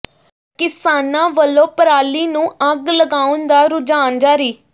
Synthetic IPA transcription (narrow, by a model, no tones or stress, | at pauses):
kɪsaːnãːʋəlːõːpəɾaːliːnũːʔəɡləɡaːʊnd̪aːɾʊd͡ʒaːnd͡ʒaːɾiː